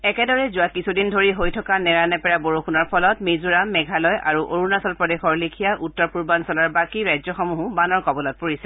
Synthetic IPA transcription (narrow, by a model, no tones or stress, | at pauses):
ɛkɛdɔɹɛzuwakisʰudindʱoɹiɦojtʰɔkanɛɹanɛpɛɹaboɹukʰunɔɹpʰɔlɔtmezuɹamːɛɡʱalɔja̰ɹuʔoɹunasɔlpɹɔdexɔɹlikʰijaʔutːɔɹpuɹbansɔlaɹbakiɹajzɔxɔmuɦubanɔɹkɔbɔlɔt̚poɹisɛ